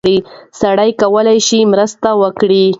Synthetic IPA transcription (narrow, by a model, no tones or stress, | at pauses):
ɽisaɽajkawəlajʃimɾəst̪awəkɽi